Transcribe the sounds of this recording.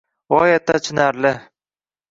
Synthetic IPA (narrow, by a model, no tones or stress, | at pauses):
ɒjat̪ʰːat͡ʃʰɪnaɾlɪ